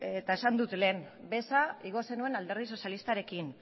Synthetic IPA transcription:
et̪ae̞sand̪ut̪le̞ːn | be̞saiɣ̞o̞se̞nue̞nald̪erðiso̞sjalist̪aɾe̞kin

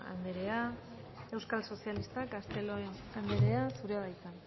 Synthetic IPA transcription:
a̰nd̪e̞ɾe̞a | e̞wskalso̞sialist̪akast̪e̞loenand̪e̞ɾe̞asuɾeaβajt͡san

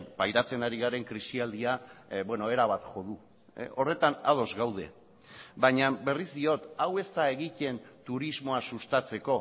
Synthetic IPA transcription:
pajɾat͡se̞naɾiɣaɾe̞ŋkɾisiald̪iabwe̞no̞e̞ɾaβ̞at̪xo̞ð̞u | o̞re̞t̪ana̰ð̞o̞zɣawð̞e̞̰ | baɲabe̞rizd̪io̞t̪awe̞st̪ae̞ɣit̪e̞nt̪uɾizmo̞asust̪at͡se̞ko̞

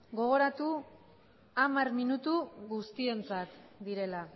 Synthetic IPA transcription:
ɡo̞ɣ̞o̞ɾat̪u | amaɾminut̪uɣust̪ie̞nt͡sat̪d̪iɾe̞la

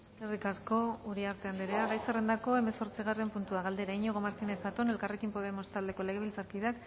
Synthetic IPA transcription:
eskerikasko̞uɾiaɾt̪e̞and̪eɾeaɣajsere̞nd̪ako̞e̞me̞so̞ɾt͡siɣare̞mpunt̪uaɣ̞ald̪e̞ɾaiɲoɣ̞o̞maɾt̪inesat̪one̞lkare̞kimpo̞ðe̞mo̞st̪ald̪e̞ko̞le̞ɣ̞e̞βilt͡saɾkiðak

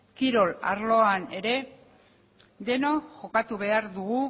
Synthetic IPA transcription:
kiɾo̞la̰ɾlo̞ane̞ɾe̞ | d̪e̞no̞ʝo̞kat̪uβe̞aɾðuɣu

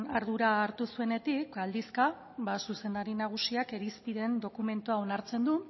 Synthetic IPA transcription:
aɾðuɾaːɾt̪usue̞ne̞t̪ikald̪iska | βasuse̞nd̪aɾinaɣ̞usiake̞ɾispiðe̞nd̪o̞kume̞nt̪uao̞naɾt͡se̞nd̪u

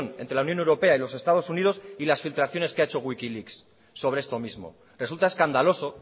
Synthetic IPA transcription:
nent̪ɾelaunjo̞newɾo̞pe̞ailo̞se̞st̪að̞o̞sunið̞o̞silasfilt̪ɾaθjo̞ne̞skeaet͡ʃo̞ɣwikiliksː | o̞βɾeest̪o̞mizmo̞̰ | re̞sult̪ae̞skand̪alo̞so̞

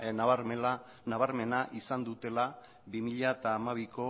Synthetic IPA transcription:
naβaɾa | naβaɾme̞naʔisand̪ut̪e̞la | bimiʎaet̪aːmaβiko̞

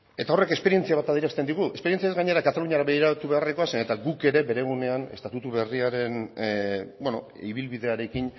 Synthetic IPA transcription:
e̞t̪ao̞re̞ke̞speie̞nt͡siaβ̞at̪aðiɾast̪e̞nd̪iɣue̞spe̞ɾie̞nt͡sijaezɡaɲe̞ɾakat̪aluɲiaɾaβe̞ɣiɾat̪uβe̞areko̞asenet̪aɡuke̞ɾe̞be̞ɾe̞ɣ̞une̞ane̞st̪at̪ut̪uβe̞riaɾe̞n | bweno̞̰iβilβiðe̞aɾe̞kin

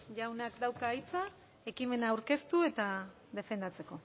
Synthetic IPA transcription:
ʝawnakd̪awkaːjt͡sa | e̞kime̞naːwɾke̞st̪ue̞t̪a | ðe̞fe̞nd̪at͡se̞ko̞

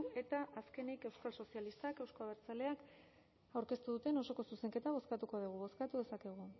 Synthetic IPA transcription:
e̞t̪aʔaske̞nike̞wskalso̞sialist̪ake̞wskoβe̞ɾt͡sale̞ak | awɾke̞st̪uðut̪e̞no̞so̞ko̞suse̞ŋke̞t̪aβ̞o̞skat̪uko̞ð̞uɣ̞uβo̞skat̪uðe̞sake̞ɣ̞u

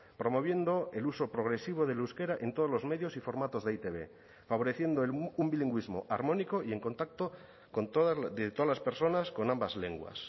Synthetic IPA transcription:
pɾo̞mo̞β̞je̞nd̪o̞e̞luso̞pɾo̞ɣ̞ɾe̞siβ̞o̞ð̞eluwske̞ɾaʔe̞nt̪o̞ð̞ozlo̞zme̞ðjo̞sifo̞ɾmat̪o̞zðeit̪e̞βe̞̰ | faβo̞ɾe̞θje̞nd̪oelumbiliŋɡwizmo̞̰ʔaɾmõ̞niko̞ie̞ŋko̞nt̪ak̚t̪o̞ | ko̞nt̪oððet̪oðalaspe̞ɾso̞nasko̞nambazle̞ŋɡwa̰s

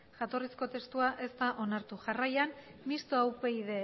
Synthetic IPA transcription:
ʝat̪o̞risko̞t̪e̞st̪uaʔe̞st̪aʔo̞naɾt̪uʝarajanmist̪oawpe̞ið̞e̞

